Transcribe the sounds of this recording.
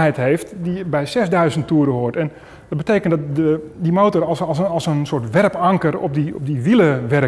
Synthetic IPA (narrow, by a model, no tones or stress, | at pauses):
ɦɛjtɦeːftdibɛjsɛzdœɥzənttuəɾəɦʊətɛn | dɔt̚bətejkəndɔtdədimoːtɔrslˠsənsoːtʋɛrpɑŋkərɔ̰p̚diɔp̚diʋilˠəʋɛr